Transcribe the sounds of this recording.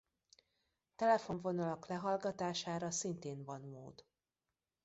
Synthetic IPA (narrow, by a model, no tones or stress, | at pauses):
t̪ɛlɛfo̞ɱvo̞nɒlɒklɛɦɒlɡɒt̪aːʃaːɾɒsint̪eːnvɒnmo̰ːd̪